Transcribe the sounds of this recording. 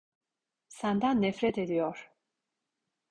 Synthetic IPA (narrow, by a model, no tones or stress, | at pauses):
sand̪anːɛfɾɛt̪ʰed̪ijɔɾ̥